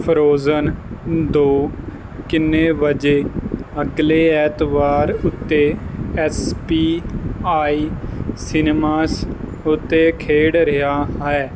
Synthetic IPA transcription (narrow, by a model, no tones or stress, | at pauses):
pʰəɾoːzənd̪oː | kɪnːeːʋəd͡ʒeːəɡleːɛːt̪ʋaːɾʊt̪ːeːɛːspiːaːiːsɪnmaːs | ʊt̪ːeːkʰeːɽɾɪɦaːɦɛː